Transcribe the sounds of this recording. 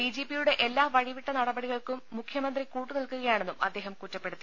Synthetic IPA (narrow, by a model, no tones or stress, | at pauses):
iːd͡ʑeːpijuɽe̞ʔelːaːʋɐɻiʋiʈːɐnɐɽɐbɐɽiɣɐɭkumːukʰjɐmɐnd̪rikuːʈːɨnilkuɣɐjaːɳe̞nːumɐd̪ːeːɦɐmkutːɐpːe̞ɽut̪ːi